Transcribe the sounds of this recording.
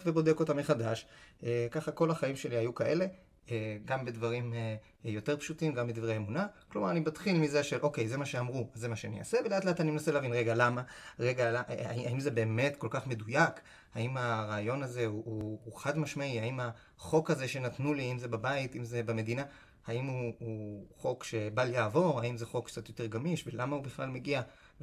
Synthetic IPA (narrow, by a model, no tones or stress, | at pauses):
vebo̞deko̞tameχadaʃekaχako̞laχaimʃe̞liajukaʔe̞le̞ | ɡambe̞dvaʁim | jo̞te̞ʁpʃutimɡambid̪ivʁejemunaklomaʁanibatχilmizeʃe̞lʔo̞kejze̞maʃeamʁuazzemaʃeanḭa̰seveleaːt̪leatanimenaseleavinʁeɡalamaʁeɡalaʔa̰iaimze̞be̞ːmetko̞lkaχme̞dujak | haimaʁaːjo̞naze̞uuːχadmaʃmaiaima | χo̞kazeʃe̞natnuliaimzebabaitimze̞beme̞dina | haimuuχo̞kʃe̞baljaːvo̞ʁaimzeχo̞kt͡satjo̞te̞ʁɡamiʃvelamahubiχlalmeɡia